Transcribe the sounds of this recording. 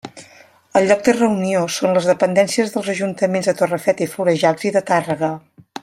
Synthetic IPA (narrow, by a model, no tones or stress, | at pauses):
əlˠʎɔɡ̚d̪ərəuniosonləzðəpənd̪ɛnsiəzðəlˠzəʒunt̪əmenzðət̪orəfɛt̪ifuɾəʒalziðət̪arəɣə